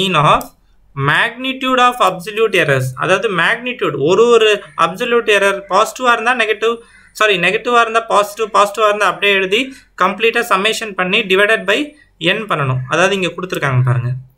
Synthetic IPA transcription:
iːnaːf | maːɡ̚nɪʈjuːɽaːfɐbsɐljuːʈɛɾɐɾs̬ɐ̰ðaːʋɐðɯmaːɡ̚nɪʈjuːɖɔɾɯɔɾɯɐbsɐljuːʈɛɾɐɾpaːsɪ̥ʈɪʋaːɪɾɯnd̪aːnɛɡɐʈːɪʋ | sɐːɾinɛɡɐʈːɪʋaːɪɾɯnd̪ãːpaːsɪ̥ʈɪʋpaːsɪ̥ʈɪʋaːɪɾɯnd̪aːɐpːɐɽiɛɽɯðikɐmpliːʈːaːsɐmeːʂɐnpɐɳːiɖɪʋɐɪɽɐɖ̚bɐɪ | ɛnpɐɳːɐɳʊ̃ɐðaːʋɐðɯɪŋɡekʊɽɯt̪ːɯɾɯkːaːŋɡɐpa̰ːɾɯŋɡɐ

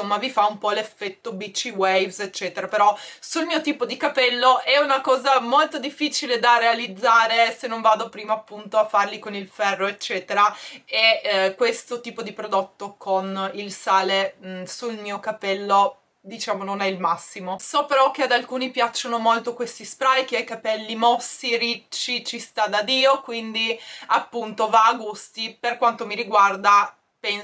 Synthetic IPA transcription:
somːavifaumpɔlefːɛt̪ːobit͡ʃiwɛjvset͡ʃːɛːt̪eɾapeɾɔsulmiːot̪iːpod̪ikapɛlːoʔɛunakɔːzamolt̪od̪ifːiːt͡ʃiled̪arealid̪zːaːɾesenːoɱvaːd̪opɾiːmaapːunt̪oafːarlikonilfɛrːoet͡ʃːɛːt̪eɾaekːwest̪ot̪iːpod̪ipɾod̪ot̪ːokʰonilsaːlesulmiːokapɛlːo | d̪it͡ʃaːmononɛilmasːimosɔpeɾɔk̟ːead̪alkuːnipjat͡ʃːonomolt̪okwest̪ispɾajkajkapɛlːimɔsːiɾit͡ʃːit͡ʃist̪ad̪ad̪iːokwind̪iapːunt̪ovaːɡust̪iperkwant̪omiɾiɡward̪a | pɛn

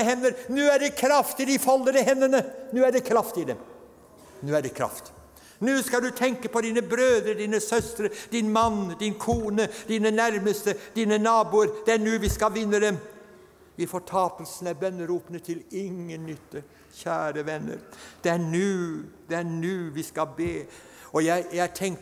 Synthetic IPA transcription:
hɛnːəɾnʉːæɖɛkʰɾɑft̪ɪd̪ɪfɑlːəɾəɦɛnːəɳənʉːæɖɛkʰɾɑft̪ɪd̪ɛm | nʉːæɖɛkʰɾɑ̰ft̪ | nʉːskɑld̪ʉt̪ʰɛŋkəpɔd̪iːnəbɾøːd̪ɾəd̪iːnəsœst̪ɾəd̪̥ɪnmɑnd̪ɪnkʰuːnəd̪iːnənæɾməst̪əd̪̥iːnənɑːbuːəɾd̪̥ɛæɳʉːʋɪskɑʋɪnːəd̪ɛm | ɪfɔʈʰɑːpəlsn̩æbœnːəɾuːpnət̪ʰɪlɪŋːənnʏt̪ːə | çæːɾəʋɛnːə̰ɾd̪̥ɛæɳʉːd̪̥ɛæɳʉːʋɪskɑbeː | ɔjæɪjæʈʰɛŋk̪

